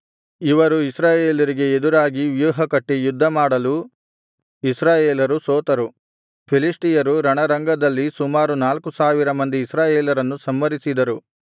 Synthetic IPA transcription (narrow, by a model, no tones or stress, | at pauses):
iʋɐɾuisɾaːjeːlɐɾiɡe̞ed̪uɾaːɡiʋjuːɦɐkɐʈːejud̪ʱːɐmaːɽɐlu | isɾaːjeːlɐɾusoːt̪ɐɾu | pʰilisʈijɐɾuɾɐɳɐɾɐŋɡɐd̪ɐlːisumaːɾunaːlkusaːʋiɾɐmɐnd̪iːsɾaːjeːlɐɾɐnːusɐmːɐɾisid̪ɐɾu